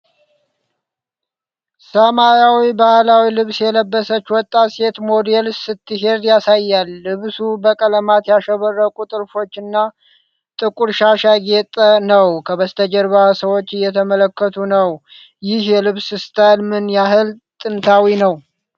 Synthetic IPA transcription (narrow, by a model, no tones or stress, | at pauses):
səmajawibahlawilɨβsjɛləbːəsət͡ʃːwɔt̪ʼːase̞t̪mo̞d̪elsɨt̪ːɨɦe̞d̪jasajːalːɨβsubəkʼələmat̪jaʃəβərːəkʼut̪ʼɨɾfo̞t͡ʃːɨnːa | t̪ʼɨkʼuɾʃaʃaɡet̪ʼənəwkʰəβəst̪ʰəd͡ʒəɾβasəwo̞t͡ʃːɨjːɛt̪ʰəmələkːət̪ʰunəw | jɪhjɛlɨβsɨst̪ʰalmɨnjaɦɨlt̪ʼɨnt̪ʰawinəw